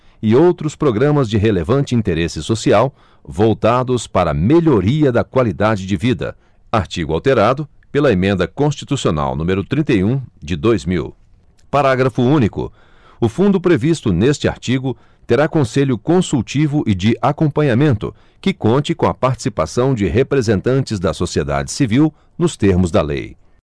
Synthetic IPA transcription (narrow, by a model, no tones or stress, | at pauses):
ɪowt̪ɾʊspɾoɡɾɐ̃mɐzd͡ʒɪɦelevɐ̃nt͡ʃɪĩt̪eɾesɪsosiaw | vowt̪ad̪ʊspaɾɐ̰meʎoɾiɐd̪ɐkwalid̪ad͡ʒɪd͡ʒɪvid̪ɐ̰ | aɾt͡ʃiɡʊa̰wt̪eɾad̪ʊ | pelɐemẽnd̪ɐkõst͡ʃit̪usiona̰wnũmeɾʊt̪ɾĩnt̪ejũd͡ʒɪd̪ojzmḭw | paɾaɡɾɐfʊũnikʊ̰ | ʊfũnd̪ʊpɾevist̪ʊnest͡ʃɪa̰ɾt͡ʃiɡʊ | t̪eɾakõseʎʊkõsut͡ʃivʊʔɪd͡ʒɪʔakõmpɐ̃ɲamẽnt̪ʊ̰ | kɪkõnt͡ʃɪkõɐpaɾt͡ʃɪ̥sipasɐ̃w̃d͡ʒɪɦepɾezẽnt̪ɐ̃nt͡ʃɪzd̪ɐsosied̪a̰d͡ʒɪsiviw | nʊst̪eɾmʊzd̪ɐlḛj